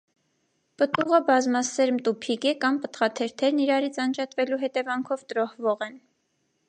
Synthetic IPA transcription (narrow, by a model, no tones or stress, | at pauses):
pət̪uʁəbɑzmɑsɛɾmt̪upʰikɛkɑmpət̪χɑt̪ʰɛɾt̪ʰɛɾniɾɑɾit͡sʰɑnd͡ʒɑt̪vɛluɦɛt̪ɛvɑŋkʰɔvt̪əɾɔhvɔʁɛn